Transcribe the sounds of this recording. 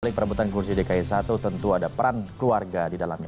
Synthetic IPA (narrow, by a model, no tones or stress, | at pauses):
lɪŋpəɾbut̪ankursidekaisat̪ut̪ənt̪uadapəɾankluarɡadidalamɲa